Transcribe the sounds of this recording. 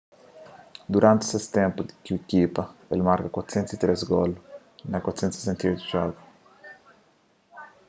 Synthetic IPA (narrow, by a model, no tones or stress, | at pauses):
d̪uɾʔãnt̪sest̪ɛ̃mpʊd̪kuekipɐelmaɾkakwat̪sɛnt̪sit̪ɾesɡɔl | nɐkwat̪sɛnt̪se̥sɛnt̪aojt̪uʒɔɡu